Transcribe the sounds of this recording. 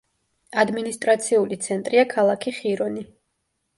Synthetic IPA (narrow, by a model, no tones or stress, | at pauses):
ad̪minist̪ʼɾat̪sʰiulit̪sʰɛnt̪ʼɾiakʰalˠakʰiχiɾɔni